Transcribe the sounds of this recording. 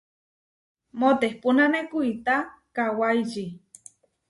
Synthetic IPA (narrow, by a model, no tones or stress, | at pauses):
mot̪ehpunanekuit̪akawajʒi